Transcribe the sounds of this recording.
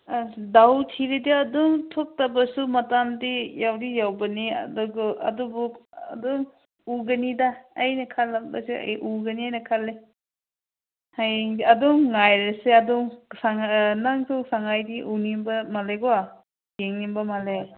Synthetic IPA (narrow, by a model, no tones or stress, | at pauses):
dawtʰiɾidiɐduŋtʰok̚tɐbɐsumɐtamdijawdijawbɐniɐ̰dɔɡɔɐ̰dubukɐ̰duŋ | uɡɐnidaːjnɐkʰalak̚bɐ̰sea̰jʔuɡɐniajnɐkʰale | hajŋɐduŋŋajɾɐseɐduŋsaŋnaŋsusaŋajdiʔunimbɐmaleɡɔwa | jeŋnimbɐmale